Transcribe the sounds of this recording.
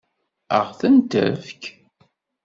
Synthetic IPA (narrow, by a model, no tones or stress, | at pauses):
ə̰ʁθənt̪ə̰vk